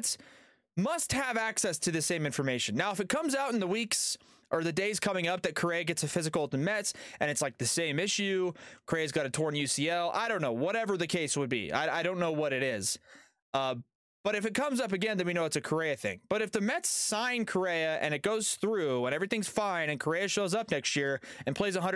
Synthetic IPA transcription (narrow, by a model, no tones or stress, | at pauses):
ts | mʌst̚həvæksɛstʰɨðɨsẽɪ̃mɪ̃ɱfə˞meɪʃɨ̃nːaʊəfɨt̚kʰʌ̃mzaʊɾn̩ðəwiks | ʔə˞ðɨdeɪz̥kʰʌmɪ̃ŋʌp̚ðɨt̚kʰə˞eɪɨɡɛtsɨfɪzɨkl̩ˠtn̩mɛtsʔɨ̃ñɨtslaɪk̚ðɨsẽɪ̃mɪʃʉkʰə˞eɪɨzɡɑɾɨtʰɔɹnjʉsiɛlˠa̰ɪɾõʊ̃nːoʊwʌɾɛvə˞ðɨkʰeɪswəd̚bḭa̰ɪaɪɾõʊ̃nːoʊwʌɾɨɾɪz̥ | ʌ | b̥ʌɾɨfɨt̚kʰʌ̃mzʌp̬ɨɡɛ̃nðɨ̃nwinoʊɨtsɨkʰə˞eɪɨθɪ̰̃ŋb̥ʌɾɨfðɨmɛtsãɪ̃nkʰə˞eɪɨʔɨ̰̃ñɨt̚ɡ̥oʊz̥θɹʉwə̃ñɛvɹiθɪ̃ŋz̥fãɪ̃nɨ̃nkʰə˞eɪɨʃoʊzʌp̚nɛkst̚jɪɹɨ̃npʰl̥eɪzəɦʌ̃nd